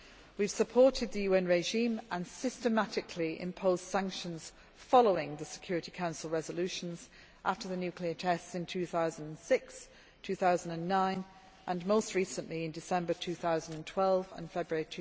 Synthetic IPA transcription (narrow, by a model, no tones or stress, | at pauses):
wiv̥səpʰɔˑtʰɪd̪̚ðəjʉːɛ̃nɹeɪʒĩːmʔə̃nsɪstəmatɪkʰliʔɪ̰̃mpʰoʊz̥d̥sãŋkʃə̃nz̥ | fɒloʊɪ̃ŋðəsɪ̥kʰj̥ɔɹɪtikʰãʊ̃nsəlˠɹɛzəlʉˑʃə̃nz̥ | ʔaftəðənjʉˑkʰliətʰɛstsɪ̃ntʰʉːθaʊzə̃ndə̃nsɪks | tʰʉːθaʊzə̃n̩də̃nːãɪ̃n | ʔə̃nmoʊstɹiˑsə̃nʔliɪ̃ndɪsɛ̃mbətʰʉːθaʊzə̃ndə̃ntʰw̥ɛlˠvə̰̃nfɛbɹəɹitʰ